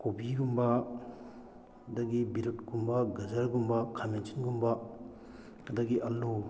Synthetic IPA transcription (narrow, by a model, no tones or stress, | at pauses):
kobiɡumbɐ | dɐɡibiɾutkumbaɡɐzɐɾɡumbakʰamensinɡumba | kɐdɐɡiʔɐlːu